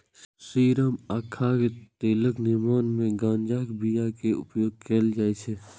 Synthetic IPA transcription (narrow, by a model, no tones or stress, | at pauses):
siːɾəmaːkʰːaket̪eːləknɪmaːnmẽɡãːnd͡ʒaːkbijakeʊ̰pjoːɡ̚keld͡ʒaːet͡ʃʰe